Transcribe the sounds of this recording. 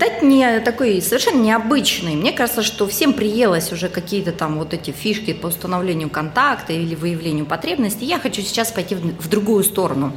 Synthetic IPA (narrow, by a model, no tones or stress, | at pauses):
d̪atʲnʲɪt̪ɐko̞jsəvʲɪrʂɛnːənʲɪɐbɨt͡ɕnɨjmnʲe̞kaʐɨt̪səʂt̪o̞fsʲe̞mpɾʲɪjelˠəsʲʊʐɛkɐkʲijət̪ət̪amvo̞t̪ɛtʲɪfʲiʂkʲɪpəʊst̪ənɐvlʲenʲɪjʊkɐnt̪akt̪əilʲɪvɨjɪvlʲenʲɪjʊpɐt̪ɾʲe̞bnəsʲtʲɪjaxɐt͡ɕusʲɪ̥t͡ɕaspɐjtʲivd̪ɾʊɡujʊst̪o̞ɾənʊ